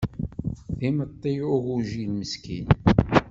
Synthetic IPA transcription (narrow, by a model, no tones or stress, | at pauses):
θimət̪ˤːiʊɣuʒilməskin